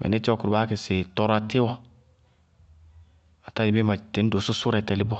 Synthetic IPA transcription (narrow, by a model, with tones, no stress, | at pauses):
mɛ̰˨ne˦t͡ʃɔ˦˨ku˨ɾba˦ke˨se˨tɔ˦ɾa˦te˦wɔ˦ | a˨ta˦ji˨be˦ma˨te˨˦n˦do˨su˦su˦ɾɛ˨tɛ˨li˦bo˦